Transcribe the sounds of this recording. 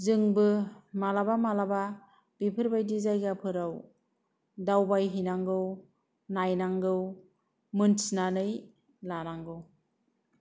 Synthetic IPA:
zɯŋbɯmalabamalaba | b̥ipʰɯɾbajdizajɡapʰɯɾaw | dawbajɦinaŋɡɯw | najnaŋɡɯw | mɯnsinanɯj | lanaŋɡɯw

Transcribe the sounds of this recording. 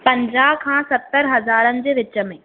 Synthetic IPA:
pɐ̃ɲd͡ʑaːɦkʰãːsɐt̪ːəɾɦɐzaːɾənɪ̆d͡ʑeːʋɪt͡ɕə̆mẽː

